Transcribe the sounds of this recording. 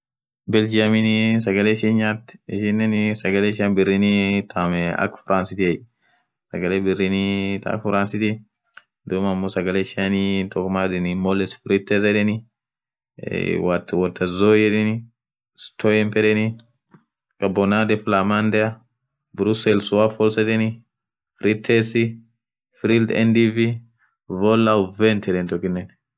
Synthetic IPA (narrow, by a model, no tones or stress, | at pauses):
bɛld͡ʒaminisɐɡɐleːʃinɲat̪ːɪʃɪnːɛnsɐɡɐleːʃanbɪrːinit̪ʰamɛɐ̰kfɪɾʔaːnsɪt̪iɛ | sɐɡɐleːbɪrːinit̪a̰kfɾansɪt̪i | d̪ʊmɐmːosɐɡɐleːʃanit̪ɔkmad̪ɛnimɔlɛsfɪɾɪt̪ːɛz̬ɛᶑɛni | watwatʰːazɔjɛɗɛni | stʰɔjɛmpɛɗɛni | kabɔnadɛflamandɛa | bɾusɛlswafɔlsɛdɛni | fɾitʰːɛsi | fɾildɛ̰ndivi | vɔlːawvɛntʰɛɗɛntɔkinːɛn